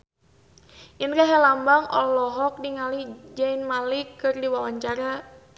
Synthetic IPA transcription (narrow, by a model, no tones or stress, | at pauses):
jənkaɦɛlambaŋɔ̰lɔɦɔk̚diŋalid͡ʒainmalikːɨrdiwawaɲt͡ʃaɾa